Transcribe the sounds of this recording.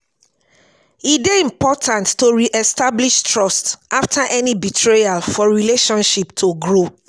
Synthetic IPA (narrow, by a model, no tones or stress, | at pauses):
ideĩmpɔtʰãntːoɹiʔɛstabliʃtʰɹɔstʔaftʰaʔɛnibitʰɹealfɔɹileʃɔ̃nʃiptʰoɡɹo